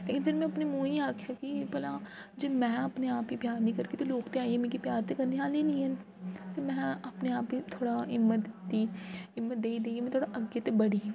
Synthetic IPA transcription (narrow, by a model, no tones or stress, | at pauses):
leːkɪnpʰɪɾmɛ̃ɐpnemũːĩaːkʰjakipɐla | d͡ʒoːmɛ̃ːɐpneaːpɦipjaːnĩkɐɾket̪oloːkt̪eaːiɦɛ̃mẽkipjaːɾt̪ekɐɾniaːleniɛ̃ | t̪emɛ̃ɐpneaːpɦit̪ʰoːɽaɦɪmːət̪d̪̥iːɪmːət̪̚d̪eːid̪eːemɛ̃t̪ʰoːɽaʔɐɡjet̪ebɐɽi